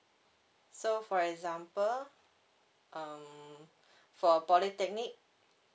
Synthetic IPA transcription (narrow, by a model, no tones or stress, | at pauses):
sofɔɹɛkzãmpəl | ʔʌ̃m | fɔpɔlitɛk̚nik̚